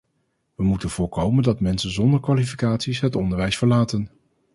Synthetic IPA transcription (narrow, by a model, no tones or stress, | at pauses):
ʋəmutənv̥ʊːɹkowməndɑtmɛnsənzɔndəɹkʋaːlifi̥kaːtsisɦətɔndəɹʋɛjsfəɹlaːtən